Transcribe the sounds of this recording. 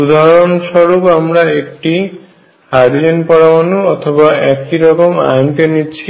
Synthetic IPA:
ud̪ʱaɾonʃɔɾupamɾaek̚ʈi | haɾid͡ʑenpɔɽamanuɔt̪ʰobaɛkiɾɔkoma̰jnt̪enitːɕʰi

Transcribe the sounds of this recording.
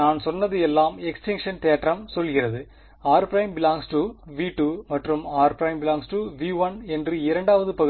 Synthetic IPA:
aːnsɔnːɐðɯɛlːaːmɛksʈɪŋkʂɐnt̪eːʈrɐmsɔlɣɪrɐðɯ | aːɾpɾɐɪmbɪlaːŋsʈuʋiːʈuːmɐʈrɯmaːɾpɾɐɪmbɪlaːŋsʈuʋiːʋɐnɛndrɯɪɾɐɳɖaːʋɐðɯpɐɣɯ

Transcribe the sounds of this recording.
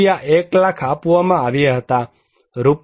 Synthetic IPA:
jaʔeklakʰapuomãaʋjaɦət̪a | ɾup

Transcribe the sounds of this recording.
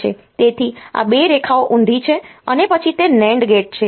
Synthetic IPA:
ḛt̪et̪ʰia̰beɾekʰaoʔũnd̪ʱit͡ʃʰeənepət͡ʃʰit̪enɛ̃ɳɖɡeʈ̚t͡ʃʰe

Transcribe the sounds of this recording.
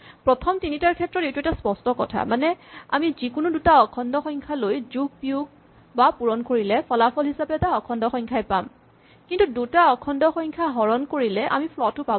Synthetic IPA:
pɹɔtʰɔmtinitaɹkʰɛtɹɔtewtuɛtaspɔstɔkɔtʰa̰manɛa̰mizikʊnudutaɔkʰɔndɔxɔjŋkʰalojzuɡ̚piuɡ̚ | bapuɹɔnkoɹilɛpʰɔlapʰɔlɦisapɛtaɔkʰɔndɔxɔjŋkʰajpam | kintudutaɔkʰɔndɔxɔjŋkʰaɦɔɹɔnkoɹilɛʔa̰mipʰlɔtːʊpab

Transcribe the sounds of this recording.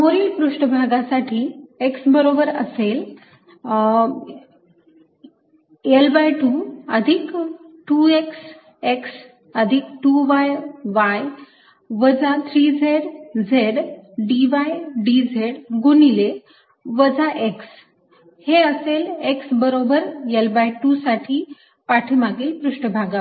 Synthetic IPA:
moɾilpɾuʂʈəbʱaɡasaʈʰiːeksbəɾobəɾəsel | elbajʈuəd̪ʱikʈueks | eks | əd̪ʱik̚ʈuʋajʋaj | ʋəd͡zat̪ʰɾiːd͡zʱeɽd͡zʱeɽɖiʋajɖid͡zʱeɽɡunile | ʋəd͡zaʔeks | heəseleksbəɾobəɾelbajʈusaʈʰiː | paʈʰimaɡiːlpɾuʂʈəbʱaɡa

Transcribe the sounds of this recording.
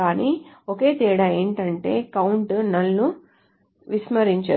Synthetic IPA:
aːniːoke̞ːt̪iːɽaːe̞ːɳʈɐɳʈe̞ːkɐwuɳʈnɐlːu | ʋismɐɾiɲt͡ʃa̰ː

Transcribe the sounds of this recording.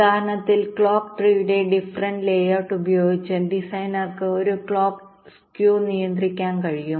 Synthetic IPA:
aːɾɐnɐt̪ːilkɭoːkʈriːʋuɽe̞ɖifrɐnɖleːjɐrʈːubɐjo̞ːɡit͡ɕːɨɖisɐjnarkːɨoɾukɭoːk | skjuːnijɐnd̪rikʲːaːnkɐɻijum

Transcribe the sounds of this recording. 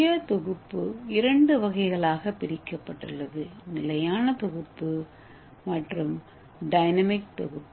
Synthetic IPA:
ɐt̪ɔɣɯpːɯɪɾɐɳɖɯʋɐɣɐɪɣɐɭaːɣɐpɪɾɪkːɐpːɐʈːɯ̰ɭːɐðɯnɪlɐjaːnɐt̪ɔɣɯpːɯ | mɐʈrɯm | ɖɐɪnɐmɪk̚t̪ɔ̰ɣɯpː

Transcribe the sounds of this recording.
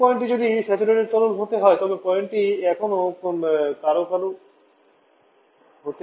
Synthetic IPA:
ɔeɳʈid͡ʑod̪isɛt̪ileɾeɾt̪ɔlolɦot̪eɦɔet̪ɔbepɔjeɳʈiɛkʰonokonkaɾokalo | ɦot̪e

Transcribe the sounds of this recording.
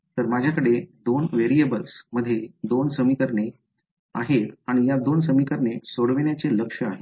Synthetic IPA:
t̪əɾmad͡ʑʱjakəɽed̪onʋeɾiəbəlsməd̪ʱːjed̪onsəmikəɾɳe | a̰ɦet̪aɽ̃ijad̪ons̬əmikəɾɳesoɽʋeɳjat͡seləkʂəaɦet̪

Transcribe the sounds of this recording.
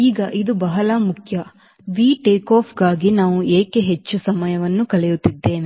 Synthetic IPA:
iːɡɐʔid̪ubɐɦɐlɐmukʰjɐ | ʋiːʈeːkoːpʰɡaːɡinaːʋueːkeɦet͡ʃːusɐmɐjɐʋɐnːukɐlɛjut̪ːid̪ːe̞ːne

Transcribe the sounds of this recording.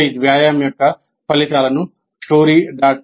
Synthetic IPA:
jd̪ʋjaːjaːmjɔkːɐ | pɐlit̪aːlɐnu | sʈoːɾiːɖaː

